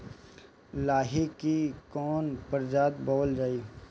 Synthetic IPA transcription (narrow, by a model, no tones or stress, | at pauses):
laːɦikikɔːnpəɾd͡ʒaːt̪bɔːld͡ʒaːiː